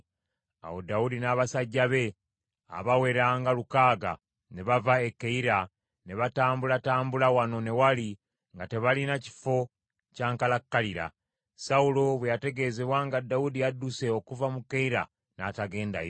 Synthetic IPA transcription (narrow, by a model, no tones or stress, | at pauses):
a̰wo̞daudinaːβasaɟːaβe̞ | a̰βawe̞ɾaːŋɡalukaːɡa̰ | ne̞βavae̞kːeiɾa | ne̞βataːmbulataːmbulawano̞ne̞wali | ŋɡate̞βalinaci̥fo̞ | caːŋkalakːaliɾa̰ | saulo̞βwejate̞ɡe̞ːze̞βwaŋɡadːaudijadːuse̞o̞kuvamukːeiɾa̰ | nataɡe̞ːnda̰j